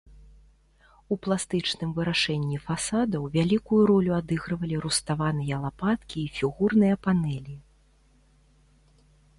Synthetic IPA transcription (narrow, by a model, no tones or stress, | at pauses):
uplˠast̪ɨt͡ʂnɨmvɨɾaʂɛnʲːifasad̪ɐwvʲalʲikujuɾɔlʲuad̪ɨɣɾɐvɐlʲiɾust̪avanɨjɐlˠapat̪kʲiːfʲiɣurnɨjɐpanɛlʲi